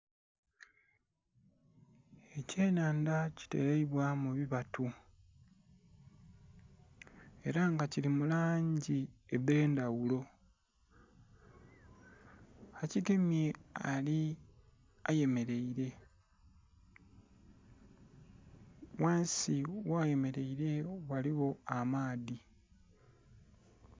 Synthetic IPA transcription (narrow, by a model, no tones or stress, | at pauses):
ece̞ːnaːndaci̥te̞̰ɾeiβwamuβiβatu | e̞ɾaŋɡacilimulaːɲɟieβe̞ːndawulo̞ | aciɡe̞mje̞a̰li | aje̞me̞ɾe̞iɾe̞ | waːnsiwaje̞me̞ɾe̞iɾe̞waliɣo̞amaːði